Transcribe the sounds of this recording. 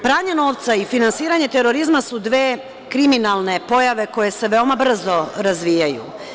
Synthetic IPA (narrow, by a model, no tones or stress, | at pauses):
pɾaːɲeno̞ːʋt̪saifinansiːɾaɲe̞t̪e̞ɾo̞ɾizmasud̪ʋeː | kɾiminalˠne̞po̞jaʋe̞ko̞je̞se̞ʋeo̞mabr̩zo̞ɾazʋijajṵ